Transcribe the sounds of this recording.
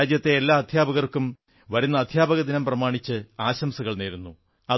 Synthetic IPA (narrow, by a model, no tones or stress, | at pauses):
d͡ʑjɐt̪ːe̞ːlːaːɐd̪ʱjaːbɐɣɐrkːum | ʋɐɾunːɐːd̪ʱjaːbɐɣɐd̪inɐmprɐmaːɳit͡ɕːɨaːɕɐmsɐɣɐɭneːɾunːu | ɐ